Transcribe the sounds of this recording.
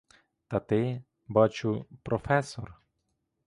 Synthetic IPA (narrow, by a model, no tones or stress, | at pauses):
t̪ɐt̪ɪ | bɑt͡ʃʊpɾɔfɛsɔr